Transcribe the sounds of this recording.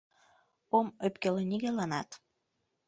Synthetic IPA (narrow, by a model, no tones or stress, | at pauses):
omøpkeleniɣelɑnɑt̪